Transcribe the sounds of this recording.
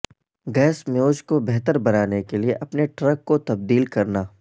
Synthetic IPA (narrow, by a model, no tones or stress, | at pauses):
ɡɛːsmjoːd͡ʒkobɛɦt̪əɾbɐɾaːnekelieʔɐpneʈɾəkːot̪ɐb̚d̪iːlkɐɾnaː